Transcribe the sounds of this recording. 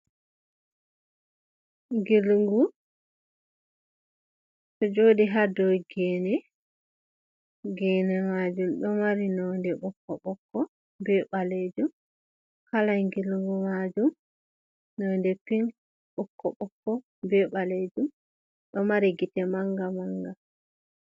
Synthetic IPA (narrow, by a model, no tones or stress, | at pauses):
ŋɡilŋɡu | tɔd͡ʒoːdiɦadɔɡɛːnɛ | ɡɛːnɛmad͡ʒumɗɔmaɾinɔndɛɓɔkːɔɓɔkːɔ | bɛɓaled͡ʒum | kalajŋɡilŋɡumad͡ʒum | nːɔndɛpin | ɓɔkːɔɓɔkːɔ | bɛɓaled͡ʒum | ɗɔmaɾiɡitɛmaŋɡamaŋɡa